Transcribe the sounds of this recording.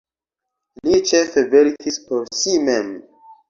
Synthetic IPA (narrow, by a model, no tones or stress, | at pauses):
lit͡ʃefeveɾkʰispoɾsimem